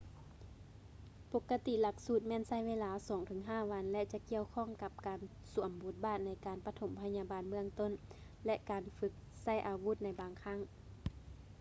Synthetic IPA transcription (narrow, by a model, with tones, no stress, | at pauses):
po˧˦kːa˧t̪i˧˨la˧˥k̚suː˧˩t̪̚mɛː˧˥˨nsa˧˥˩jʋeː˧˨laː˧˥sɔː˨˦ŋt̪ʰɯː˨˦ŋɦaː˧˥˨ʋa˧˥nlɛ˧˥t͡ɕa˧˦ki˧˨əwkʰɔː˧˥˨ŋka˧˦p̚kaː˨n | su˨˩˦əmbo˧˦t̪̚baː˧˩t̪̚na˧˥jkaː˨˩npa˧t̪ʰo˨˦mpʰa˧ɲaː˧baː˨nmɯ˧əŋt̪o˧˥˨n | lɛ˧ʔkaː˨nfɯ˧˥k̚sa˧˩˨jʔaː˨˩wu˧˥t̪̚na˧jbaː˨ŋkʰa˧˥˨ŋ